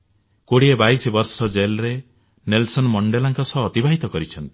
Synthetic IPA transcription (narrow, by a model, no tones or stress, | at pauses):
koɽiebajsɔbɔɾsɔd͡ʒelɾe | nelsɔnmɔɳɖelaŋkɔsɔːt̪ibʱaɦit̪ɔkɔɾit͡ʃʰɔnt̪i̥